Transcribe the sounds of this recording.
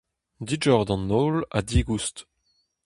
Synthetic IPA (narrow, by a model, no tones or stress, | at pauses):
did͡ʒɔʁd̪ɑ̃nːoːla̰diːɡust